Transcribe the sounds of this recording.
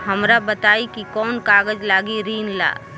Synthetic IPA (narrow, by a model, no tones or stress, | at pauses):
ɦəmɾabət̪aːikikɔːnkaːɡəd͡ʒlaːɡiɾiːnla̰ː